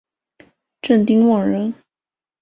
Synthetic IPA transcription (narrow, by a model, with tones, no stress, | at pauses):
ʈ͡ʂə˥˩nt̪i˥ŋwɑ˨˩ɻə˧˥n